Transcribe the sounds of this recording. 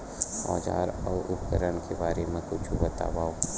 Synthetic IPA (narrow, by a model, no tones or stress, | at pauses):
hɔ̰ːd͡ʒa̰ːɾɔːɾʔʊpkəɾənkebaːɾemẽkʊt͡ʃʰubɐt̪a̰ːbaːoː